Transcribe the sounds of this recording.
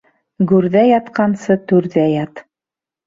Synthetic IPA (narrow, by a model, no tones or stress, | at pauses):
ɡʉɾðæjɑt̪qɑnsɤt̪ʉɾðæjɑt̪